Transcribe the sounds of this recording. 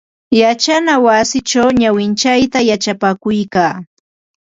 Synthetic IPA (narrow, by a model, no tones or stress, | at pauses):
jat͡ʃanawasɪt͡ʃawɲawɪnt͡ʃajt̪ajat͡ʃapakʊjkaː